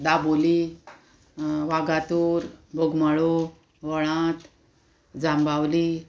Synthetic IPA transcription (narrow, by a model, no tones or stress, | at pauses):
d̪aboli | ʋaɡat̪uːɾbʱoɡmaɭo | ʋəɭãt̪ | d͡zambawliː